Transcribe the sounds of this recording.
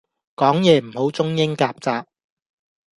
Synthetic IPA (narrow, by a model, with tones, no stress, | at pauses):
kɔː˨˥ŋjɛː˨˧m̩˨˩ho˨˥wt͡sʊ˥ŋjɪ˥ŋkaː˧p̚t͡saː˧p̚